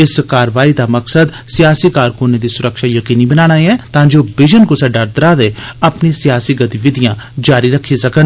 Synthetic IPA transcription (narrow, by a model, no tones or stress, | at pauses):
ɪskaːɾʋaːiːd̪aːməksəd̪ | sɪjaːsiːkaːɾkʊneːd̪iːsʊɾəkʃaːjəkiːniːbənaːɽ̃aːeɛːt̪ãːd͡ʒoːbɪd͡ʒənkoːsɛɖəɾd̪əɾaːd̪eːəpnĩːsɪjaːsiːɡət̪iʋɪd̪ɪjãːd͡ʒaːɾiːɾəkʰːiːsəkən